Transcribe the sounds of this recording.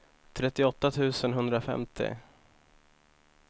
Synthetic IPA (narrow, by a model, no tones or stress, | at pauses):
t̪ʰɾɛt̪ːɪɔt̪ːat̪ʰʉ̟ːsənɦɵnd̪ɾafɛ̰mt̪ʰɪ̰